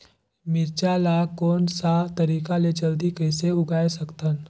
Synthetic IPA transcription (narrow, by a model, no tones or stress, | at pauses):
miɾt͡ʃalakoːnsat̪əɾiːkalet͡ʃəld̪ikəjseʊɡajsəkt̪an